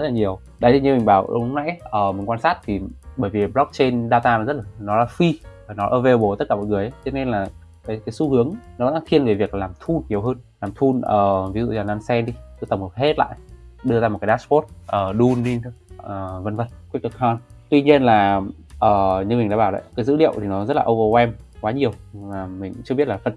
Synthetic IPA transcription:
zə˦t̚laː˨˩ɲi˨˩əw | ɗa̰˨˦jt̪i˨˧˩ɲɨ˧ŋmï˨˩ŋ̟ɓaː˧˩w̰ŋ͡mna̰˧˨jʔəː˨˩mï˨˩ŋ̟kwaː˧nsaː˦˥t̚t̪ʰi˨˩ɓəː˧˩jvi˨˩ɓlɔ˦˥k̚t͡ɕe˧nɗaː˧t̪aː˧nɔ˨˦zə˦˥t̚laː˨˩nɔ˨˦laː˨˩fi˧aː˨˩nɔ˨˦ʔəː˧ve˧ɓo˨˩t̪t̚kaː˧˩mɔ̰˧˨jŋɨ˨˩əjʔə˨˦t͡ɕɔ˧ne˧nlaː˨˩ | kaː˨˦jkaː˨˦jsu˨˦hɨ˨˦əŋnɔ˨˦˧a̰ː˧˥t̪ʰi˧ənve˨˩vi˨˩ək̚laː˨˩mt̪ʰu˧nɲi˨˩əwɦəː˧nlaː˨˩mt̪ʰu˧nʔəː˨˩vi˨˦zṵ˧˨zaː˨˩naː˧nsɛ˧nɗi˧kɨ˧˦t̪ə˨˩ŋ͡mhə˨˩he˦˥t̚la̰ː˧˨jɗɨ˧əza˧o˨˩kaː˨˦a˦˥spo˦˥t̚ʔəː˨˩ɗu˧nɗi˧əː˨˩və˧nvə˧˩n̚kwi˦˥k̚ə˧˩kʰɔ˧nt̪wi˧ɲi˧ənlaː˨˩ | ʔəː˨˩ɲɨ˧ŋ͡mmi˨˩ŋ̟ɗ̰aː˧˥ɓaː˧˩wɗə̰˧˨jkaː˨˦jzɨ̰˧˥lḭ˧˨əwt̪ʰi˨˩nɔ˨˦zə˦˥laː˨ʔo˧wvə˧wɛ˧mkwaː˨˦ɲi˨˩əwmaː˨˩mï˨˩ŋ̟t͡ɕɨ˧bi˦˥t̚laː˨˩fə˨˧˩n

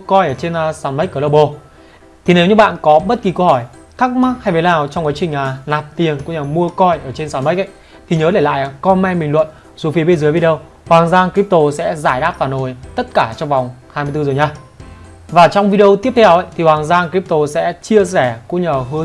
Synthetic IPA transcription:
kɔ˧jʔəː˧˩t͡ɕe˧n˨saː˨˦nmə˦˥k̚kːləː˧˩ɓo˧˩ | t̪ʰi˨˩ne˨˦wɲɨ˧˩ɓa̰ː˧˨nkɔ˨˦ɓə˦˥t̚ki˨˩kə˧whɔ˧˩j | t̪ʰa˦˥k̚ma˦˥t̚ha˧jvə˨˦jlaː˨˩wt͡ɕɔ˧wŋ͡mkaː˨˦t͡ɕï˨˩ŋ̟aː˨˩naː˨˩p̚t̪i˨˩ənkṵ˧˥ɲaː˨˩mu˧əkɔ˧jʔəː˧˩t͡ɕe˧nsaː˨˦nmə˦˥k̚ʔə̰˧˦j | t̪ʰi˨˩ɲəː˨˦ɗe˧˩la̰ː˧˨ja˨˩kɔ˧nmɛ˧jmï˨˩ŋ̟lwə̰˧˨n | zo˨˦fi˨˦ə˦ɓe˧nzəː˨˦jvi˧ɗi˧ə˧w | hwaː˨˩ŋzaː˧ŋkɾi˦˥p̚t̪o˧sɛ̰˧˥zaː˧˩jɗaː˦˥p̚faː˧˩nʔo˨˩jt̪ə˦˥t̚kaː˧˩t͡ɕɔ˧wŋ͡mva˨˩wŋ͡mhaː˧m˧t̪ɨ˧zo˨˩jɲaː˧ | vaː˨˩t͡ɕɔ˧wŋ͡mvi˧ɗi˧ə˧wt̪i˦˥əp̚tʰɛ˧wʔə̰˧˨jt̪ʰi˨˩hwaː˨˩ŋzaː˧ŋkɾi˦˥p̚t̪o˧sɛ̰˧˥t͡ɕi˧əsɛ˧˩kṵ˧˥ɲaː˨˩ɦɨ˨˦ə˦

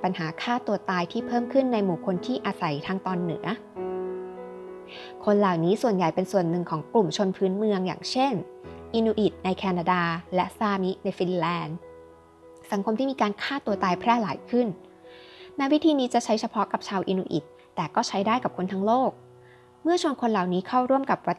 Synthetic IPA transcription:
pa˧nhaː˩˦kʰaː˥˩t̪u˧ɐt̪aː˧jt̪ʰiː˥˩pʰɤː˥˩mkʰɯ˥˩nːa˧jmuː˨˩kʰo˧nt̪ʰiː˥˩ʔa˧sa˨˩˦jt̪ʰaː˧ŋt̪ɔː˧nːɯ̰˩˦ɐ | kʰo˧nlaː˨˩wniː˦˥su˨˩ənja˨˩jpe˧nsu˨˩ənːɯ˨˩ŋkʰɔː˩˦ŋklu˨˩mt͡ɕʰo˧npʰɯː˦˥nmɯ˧əŋja̰ː˨˩ŋt͡ɕʰe˥˩nʔiː˧nuː˧ʔi˨˩t̪̚na˧jkʰɛː˧naː˧daː˧lɛ˦˥saː˧mi˦˥na˧jfi˧nlɛː˧n | sa˩˦ŋkʰo˧mt̪i˥miː˧kaː˧nkʰaː˥˩t̪u˧t̪aː˧jpʰɾɛː˥˩laː˨˩˦jkʰɯ˥˩n | mɛː˦˥wi˦˥t̪ʰiː˧niː˦˥t͡ɕa˨˩t͡ɕʰa˦˥jt͡ɕʰa˧pʰɔ˦˥ka˨˩p̚t͡ɕʰaː˧wʔḭː˧nuː˧ʔi˨˩t̪ːɛː˨˩kɔː˥˩t͡ɕʰa˦˥jdaː˥˩jka˨˩p̚kʰo˧nt̪ʰa˧˥ŋloː˥˩k̚ | mɯ˥˩ɐt͡ɕʰu˧˩ənkʰo˧nlaː˨˩wniː˦˥kʰa˥˩wɾu˥˩əmka˨˩p̚wa˦˧t̪ː

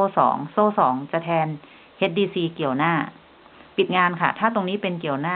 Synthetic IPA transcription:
oː˧sɔ̰ː˩˦ŋsoː˧sɔː˩˦ŋt͡ɕa˨˩t̪ʰɛː˧n | he˦˥t̪̚diː˧siː˧ki˨˩əwnaː˥˩ | pi˨˩t̪̚ŋaː˧nkʰa̰˥˩t̪ʰaː˥˩t̪o˧ŋniː˦˥pe˧nki˨˩əwnaː˥˩

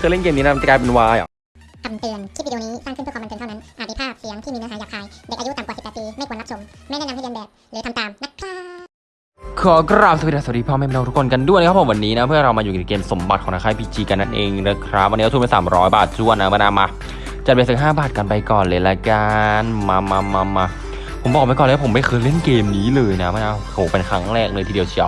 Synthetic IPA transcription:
kʰɯː˧˩˨le˥˩nkeː˧mniː˦˥a˦˥˧t͡ɕa˥˩kaː˧pe˧nwaː˦˧˥jʔa̰˨˩ | ka˨˧˩mt̪ɯ˨˩əntʰiː˥˩˨niː˦˥saː˥ŋkʰpʰːm˧t̪ːnʰa˧˩na˦˥nʔaː˨˩da˧˩pʰaː˥˩si˨˦ŋt̪ʰiː˥miː˧na˧˥aː˨˦jaː˨˩k̚haː˧jde˨˩k̚ʔju˦˥t̪a˨˩mka˨˩spːɛː˨˩t̪piː˧ma˥˩kʰːnla˧˥sʰo˩˦mma˥˩jnaː˥˩na˧ha˥˩˧bɛː˨˩p̚lːt̪ʰmt̪aː˨˩mna˦˥t̚kʰaː˥˩ | kʰɔ˨˩˦kɾaː˧˩msa˧˨˩a˧˩s̚diː˧pʰɔː˧˩ma˥˩m˧a˧t̪ʰu˥kʰnka˧ndu˥˩˨jna˦kʰpʰwa˧nːiː˦˥na˦˥pʰɯ˥˩˨ɾa˧wmaː˧juː˨˩˨a˨˩keː˧mso˩˦mba˨˩t̪̚ʰɔː˨˩˦naː˧kʰa˥˩pʰi˦˧˩t͡ɕiː˧ka˧nːa˦˥˩nʔeː˧ŋna˦˥kʰɾa˦˥p̚ʔa˧nːi˦˥˧pːsaː˩˦mɾɔː˦˥jbaː˨˩t̪̚t͡ɕʰu˥˩ənːa˦˥maː˧˥˩naː˧maː˧ | t͡ɕa˨˩e˧˩sɯ˨˩ɦaː˥˩baː˨˩t̪̚ka˧npa˧jkɔː˨˩nleː˨˧˦la˧˩kaː˧nma˧ma˧ma˧ma˧˩ | pʰo˩˦mbɔː˨˩k̚ma˧kɔː˨˩la˥pʰmːa˥˩jkʰɤː˧jle˥˩nkeː˧mniː˦˥lɤː˧jna˦˥maː˧˥˩naː˧kʰo˨˩pe˧nkʰɾa˦˥ŋɾɛː˥˩k̚lɤː˧t̪ʰiː˧di˧ə˧wt͡ɕʰi˧˩ə˨

